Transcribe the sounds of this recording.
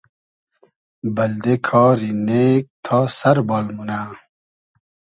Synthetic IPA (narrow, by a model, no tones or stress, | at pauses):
bɐld̪ekʰɔːɾineːk̚t̪ʰɔːsɐɾbɔːlmuna